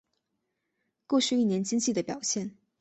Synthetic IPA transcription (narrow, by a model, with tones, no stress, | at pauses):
kwɔ˥˧t͡ɕʰy˥˧i˥˩njɛ˧˥nt͡ɕi˥ŋt͡ɕi˥˩d̪ə˩pjɑ˨˩ʊɕjɛ˥˩n